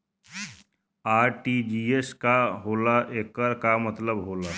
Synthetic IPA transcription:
aːɾʈid͡ʒieskaɦoːlaʔeːkəɾkamət̪ləbɦoːla

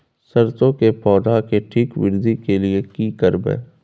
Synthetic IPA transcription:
səɾt̪õkepɔːd̪akeʈʰiːkwɪ̰ɾd̪ʱikeliekikəɾbɛ̰ː

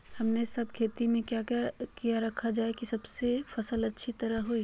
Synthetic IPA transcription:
hɐmnesɐb̚kʰeːt̪imẽkjakakijaɾɐkʰad͡ʒaːekisɐbsefɐsəlɐtːʃʰit̪ɐɾəɦɦoːi

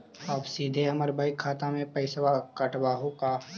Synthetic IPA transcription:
ɔːbsiːd̪ʱeɐməɾbʱaːikʰaːt̪amẽpɐɪsʋakɐʈʋaːɦõka

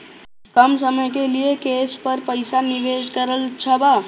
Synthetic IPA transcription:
kəmsəməjkeliekespəɾpəɪsaniʋed͡ʒkəɾəlt͡ʃʰəbə

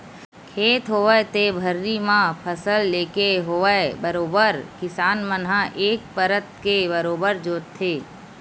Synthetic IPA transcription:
kʰeːt̪ɦoːʋəet̪ebʱəɾːimãpʰəsəlːeːkeɦoːəebəɾoːbəɾkɪsaːnmənɦãʔeːk̚pəɾət̪̚kebəɾoːbəɾd͡ʒoːt̪ʰːeː

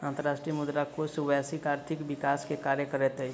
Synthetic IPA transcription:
ãːnt̪əɾaːʃʈɾijəmʊd̪ɾakosuʋɛsikaːɾt̪ʰɪkbɪkaːskekaːɾjəkəɾet̪e

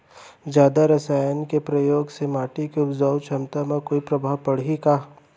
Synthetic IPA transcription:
d͡ʒjaːd̪aɾɐsaːjənkepɾɐjoːɡsemaːʈikeʊpd͡ʒaːwt͡ʃʰɐmt̪amãkoːipɾɐbʱaːʋpɐɽɦikaː

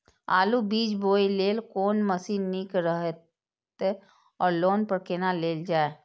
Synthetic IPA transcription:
aːlubiːd͡ʒboːileːlkoːnməsinikɾəɦe | t̪e | ɔːɾloːnpəɾkenaleːld͡ʒaːe

